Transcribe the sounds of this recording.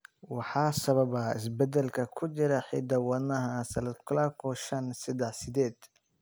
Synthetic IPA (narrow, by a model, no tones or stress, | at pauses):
wɑħɑːsɐβɐbɐɪ̰s̬bɛd̪ɛlkʰɐkʰʊt͡ʃɪɾɐħḭd̪ɐwɐnɐɦɐsɐlɐd̪kʰʊlakʰɔʃɐnsɐd̪ɛħsɪd̪ɛːd̪̥